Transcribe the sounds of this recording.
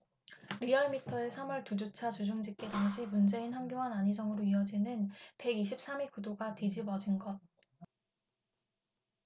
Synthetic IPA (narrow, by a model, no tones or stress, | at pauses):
ɾiʌɭmitʰʌe̞sʰamʌɭtud͡ʑot͡ɕʰat͡ɕud͡ʑuŋd͡ʑik͈edaŋɕʰimund͡ʑe̞inɦaŋɡjoŋanaɲid͡ʑʌŋɯɾoiʌd͡ʑinɯnpe̞ɡiɕʰip̚s͈amikudoɡatid͡ʑibʌd͡ʑinɡʌt̚